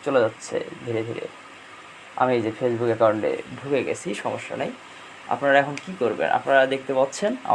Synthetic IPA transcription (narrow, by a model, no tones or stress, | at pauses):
t͡ɕoled͡ʑatːɕʰḛd̪ʱiɾed̪ʱiɾḛ | a̰mied͡ʑefesbukekaɾoɳɖḛbʱuɡeɡḛt͡ɕʰiʃɔmoʃːo̰nej | a̰pnaɾaɛkʰonkikoɾbḛnʔa̰pnaɾad̪ek̚ʰt̪epatːɕʰena̰